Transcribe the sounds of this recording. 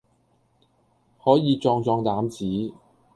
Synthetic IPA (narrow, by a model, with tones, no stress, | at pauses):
hɔː˨˥jiː˨˧t͡ʃɔː˧ŋt͡sɔː˧ŋt̪aː˨˥mt͡siː˨˥